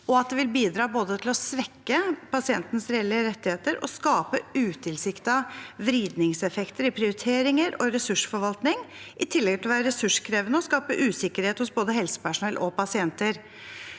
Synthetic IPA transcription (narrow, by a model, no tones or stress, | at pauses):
ɔɑt̪̚d̪ɛʋɪlbiːd̪ɾɑːboːd̪ət̪ʰɪlɔsʋɛkːəpɑsɪɛnt̪nəsɾɛɛlɪəɾɛt̪ːɪheːt̪əɾʔɔ̰skɑːpəʉːt̪ʰɪlsɪkt̪ɑʋɾiːd̪nɪŋsɛfɛkt̪əɾɪpʰɾɪʊɾɪt̪ʰeːɾɪŋəɾɔɾɛsʉʂfɔɾʋɑlt̪nɪŋʔɪt̪ʰɪlːɛɡt̪ɪlɔʋæːɾəɾɛsʉʂkʰɾeːʋənəɔskɑːpəʔʉːsɪkːəɾheːt̪hʊsboːd̪əɦɛlsə̥pæʂʊnɛlʔɔpɑsɪɛnt̪əɾ